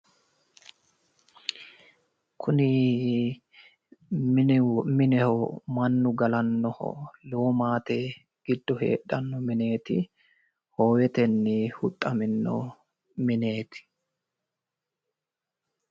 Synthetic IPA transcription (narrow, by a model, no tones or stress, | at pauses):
kʰʊnɪ | mɪnɛhɔmɐnːʊɡɐlɐnːɔhɔ̰loːmaːt̪ɛ | ɡ̥ɪd̪ːɔhḛːɗɐnːɔmɪne̞ːt̪ɪ̰ | hoːwɛt̪ɛnːɪhʊt̪ʼːɐmɪnːɔ̰ | mɪne̞ːt̪ɪ̥